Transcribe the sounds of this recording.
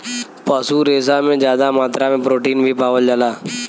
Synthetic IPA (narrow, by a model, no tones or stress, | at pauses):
paːsuːɾeːs̬aːmẽd͡ʒjaːd̪amaːt̪ɾamẽpɾoːʈiːnbʱipaːʋəld͡ʒalaː